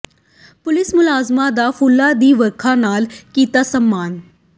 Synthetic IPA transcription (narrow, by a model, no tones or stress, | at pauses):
pʊlɪsmʊlaːzmãːd̪aːpʰʊlːaːd̪iːʋəɾkʰãːnaːlkiːt̪aːsəmːaːn